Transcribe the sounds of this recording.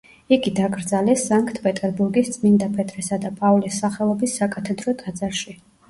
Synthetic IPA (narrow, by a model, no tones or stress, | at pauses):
iɡid̪aɡɾd̪zalɛsːaŋkʰt̪ʰpʼɛt̪ʼɛɾbuɾɡist̪sʼmind̪apʰʼɛt̪ʰʼɾɛsad̪apʼavlisːaχɛlˠɔbisːakʼat̪ʰɛd̪ɾɔd̪ʰʼad̪zaɾʃi